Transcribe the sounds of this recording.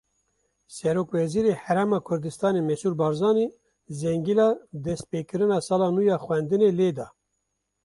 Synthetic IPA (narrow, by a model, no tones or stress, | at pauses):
sɛɾoːkvɛziːɾehæɾɛmɑːkʰʊɾd̪ɨst̪ɑːneːmɛsuːɾbɑːɾzɑːni | zɛŋɡilɑːd̪ɛst̪̚peːkɨɾɨnɑːsɑːlɑːnuːjɑːxwɛnd̪ɨneːleːd̪ɑː